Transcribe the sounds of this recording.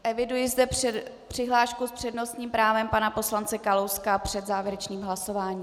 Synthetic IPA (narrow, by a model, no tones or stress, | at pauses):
ʔɛvɪdujɪzdɛ | pr̥ɪɦlaːʃkuspr̝̥ɛdno̞st̪ɲiːmpɾaːvɛmpanapo̞slant͡sɛkalowskapr̥ɛd̪zaːvjɛɾɛt͡ʃɲiːmɦlaso̞vaːɲiː